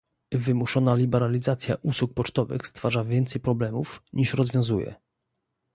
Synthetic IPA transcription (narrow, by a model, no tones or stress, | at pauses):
vɘmuʂɔnalʲibɛɾalʲizat̪sʲjaʔuswuk̚pɔt͡ʂt̪ɔvɘ̰xst̪faʐavʲjɛnt̪sɛjpɾɔblɛmufɲiʂɾɔzvʲjɔ̃w̃zujɛ̰